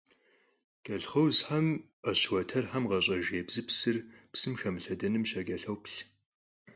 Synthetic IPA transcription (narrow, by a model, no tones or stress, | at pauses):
ɡ̥ɐɬχɐwzħam | ɐɕwɐtʰɐrħamʁɐɕʼɐʒeːbzɨpsɨrpsɨmxɐmɨɬɐdɐnɨmɕɐɡɐɬɐwpɬ